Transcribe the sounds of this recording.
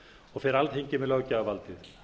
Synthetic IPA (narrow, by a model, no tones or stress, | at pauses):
ɔɣfɛːɾalt̪hejɲcɪmɛðlœɣcaːvalt̪ɪθ